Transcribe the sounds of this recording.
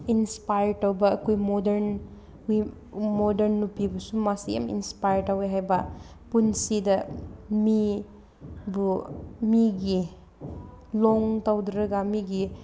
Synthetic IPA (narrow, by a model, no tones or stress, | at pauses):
inspajɾtawbɐːkʰujmɔdeɾn | wi | mɔdeɾnːupibɐsumasija̰mḭnspajɾtaweɦajbɐ | punsidɐmi | bumiɡi | lɔŋtawdɾɐɡamiɡi